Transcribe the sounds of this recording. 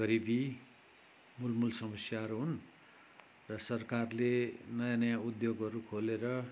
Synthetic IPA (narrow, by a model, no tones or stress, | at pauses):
ɡʌɾibi | mulmulsʌmʌsjaʌɾuɦun | rʌsʌrkarlenʌjãnʌjãud̪joɡʌɾukʰoleɾʌ